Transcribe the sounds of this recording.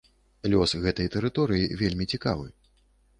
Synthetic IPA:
lʲɔsɣɛt̪ɐjt̪ɛɾɨt̪ɔɾɨjivʲelʲmʲit͡sʲika̰vɨ

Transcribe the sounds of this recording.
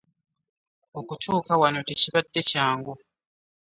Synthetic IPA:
okutʰoːkawanoteciβadːe̞caːŋɡo

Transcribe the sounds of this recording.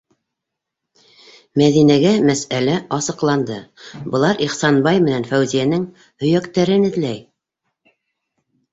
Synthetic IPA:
mæðinæɡæmæsælæʔɑsɤ̆qlˠɑnd̪ɤbɤ̆lˠɑɾiχsɑnbɑjmɘ̆nænfæwzijænɘŋ | hɵ̆jækt̪æɾɘnɘ̆ðlæj

